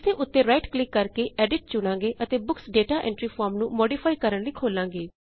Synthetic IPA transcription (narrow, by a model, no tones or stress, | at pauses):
st̪ʰeːʔʊt̪ːẽːɾaːɪʈklɪkːəɾkeːʔɛːɖɪʈ̚t͡ʃʊɽ̃ãːŋɡeːʔət̪eːbʊksɖeːʈaːʔɛ̰̃ːɳʈɾiːpʰɔːɾmnũːmoːɖiːpʰaːikəɾəɳliːkʰoːlãːɡeː